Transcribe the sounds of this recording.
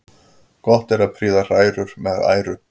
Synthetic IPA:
kɔht̪ɛɾaðpʰɾiːðar̥aːjɾʏɾ̥mɛða̰ːjɾʏ

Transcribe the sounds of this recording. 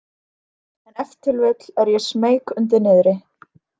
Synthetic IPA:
ɛnɛft̪ʰɪlvɛːkl̥ɛɾjɛsmeːjkʏnt̪̬ɪɾnɪðɾɪ

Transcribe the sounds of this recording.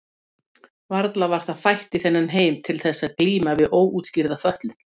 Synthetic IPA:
vaɾt̪lavaɾ̥θaðfajht̪ɪθɛnːanɦeːjmt̪ʰɪlθɛsːaðkliːmavɪðoːwut̪sciɾðafœht̪lʏn

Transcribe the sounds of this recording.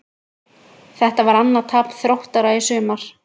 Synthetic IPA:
θɛht̪avaɾanːat̪ʰaːpθɾowht̪aɾaðɪsʏːmaɾ̥

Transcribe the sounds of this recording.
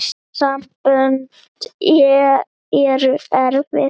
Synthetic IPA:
s | sampœnt̪ɛ | ɛɾʏɛɾvɪ

